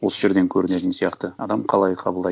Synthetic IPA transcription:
wo̞səʒe̞ɾd̪e̞ŋkʲʰɵɾɪne̞t̪ɪnsijɑqt̪əɑd̪ɑmqʰɑlˠɑjqʰɑbəlˠd̪ɑ

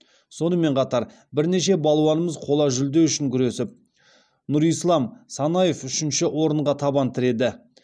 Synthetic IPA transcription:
so̞nəme̞ɴqʰɑt̪ɑɾ | bɪɾne̞ʃe̞bɑlˠuwɑnəməzqʰo̞lˠɑʒʏld̪e̞wʏʃɪŋkʲʰʏɾe̞sɪp̚ | nuɾijslˠɑmsɑnɑje̞fʏʃɪnʃɪʔwo̞ɾəɴʁɑt̪ʰɑbɑnt̪ʰɪɾe̞d̪ɪ

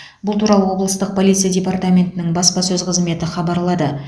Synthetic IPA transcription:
bʊlˠt̪ʰuɾɑlˠəwo̞blˠəst̪əq̚pʰo̞lˠijt̪sɨjadʲe̞part̪amʲe̞nt̪ɪnɪŋbɑspɑsɵzqʰəzme̞t̪ɪχɑbɑɾlˠɑd̪ə

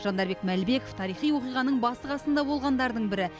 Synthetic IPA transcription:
ʒ̥ɑnd̪ɑɾbe̞kmælbe̞ko̞ft̪ʰɑɾijχijwo̞qijʁɑnəɴbɑsəʁɑsənd̪ɑbo̞lˠʁɑnd̪ɑɾd̪əɴbɪɾɪ

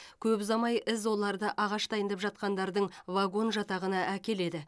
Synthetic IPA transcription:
kʲʰɵbzɑmɑjʔɪzwo̞lˠɑɾd̪əʔɑʁɑʃd̪ɑjənd̪ɑpʒɑt̪̚qɑnd̪ɑɾd̪əɴvaɡo̞nʒɑt̪ɑʁənɑʔækʲe̞le̞d̪ɪ

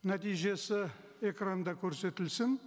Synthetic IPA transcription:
næt̪ijʒe̞sɪ | e̞krand̪ɑkʲʰɵɾse̞t̪ɪlsɪn

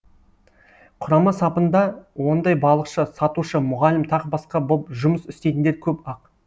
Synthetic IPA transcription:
qʰʊɾɑmɑsɑpənd̪ɑwo̞nd̪ɑjbɑlˠəqʃəsɑt̪uʃəmʊʁɑlɪmt̪ʰɑqbɑsqɑbopʒʊməsʏst̪e̞t̪ɪnd̪eɾkʲʰɵpɑq

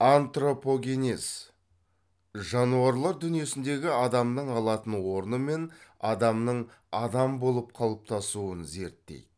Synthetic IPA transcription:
ant̪ro̞po̞ɡʲe̞nʲes | ʒɑnuɑɾlˠɑɾd̪ʏnije̞sɪnd̪e̞ɡʲɪɑd̪ɑmnəɴɑlˠɑt̪ənwo̞ɾnəme̞nɑd̪ɑmnəɴ | ɑd̪ɑmbo̞lˠəp̚qʰɑlˠəp̚t̪ʰɑsuənze̞ɾt̪ːḛjd̪ɪ

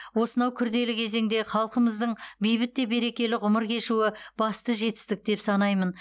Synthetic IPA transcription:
wo̞sənɑwkʲʰʏɾd̪e̞lɪkʲʰe̞ze̞ŋd̪e̞χɑlˠqəməzd̪əɴbijbɪt̪ːe̞be̞ɾe̞kʲe̞lɪʁʊməɾkʲʰe̞ʃuwɪb̥ɑst̪əʒe̞t̪ɪ̥st̪ɪk̚d̪e̞psɑnɑjmən

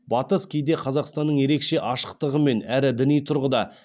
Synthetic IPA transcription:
bɑt̪əskʲʰejd̪e̞qʰɑzɑqst̪ɑnːəɴje̞ɾe̞kʃe̞ʔɑʃə̥qt̪əʁəme̞næɾɪd̪ɪnijt̪ʰʊɾʁəd̪ɑ

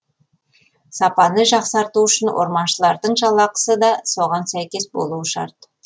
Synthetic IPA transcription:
sɑpɑnəʒɑqsɑɾt̪uʏʃɪnwʔo̰ɾmɑnʃəlˠɑɾd̪əɴʒɑlˠːɑqə̥səd̪ɑso̞ʁɑnsæjkʲe̞sbo̞̰lˠuəʃɑ̰ɾt̪

